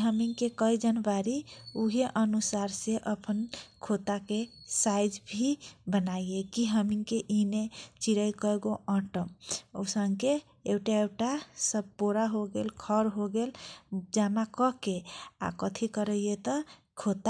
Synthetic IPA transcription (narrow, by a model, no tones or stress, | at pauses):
ɦəmiŋkekəid͡ʒənwaɾiuɦeʔənusaɾseʔəpʰənkʰot̪akesajd͡ʒbʱibənajekiɦəmiŋkeʔinet͡ʃiɾəjkəeɡoʔə̃ʈəmosəŋke | ewʈaewʈasəb̚ʱpoɾaɦoɡelkʰəɾɦoɡeld͡ʒamakəkea̰kət̪ʰikəɾəjet̪ə | kʰot̪a